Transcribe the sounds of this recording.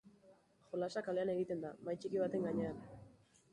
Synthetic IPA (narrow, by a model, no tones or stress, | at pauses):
ʝo̞lasakale̞aneɣ̞it̪e̞nd̪amajt͡ʃikiβat̪e̞ŋɡaɲe̞an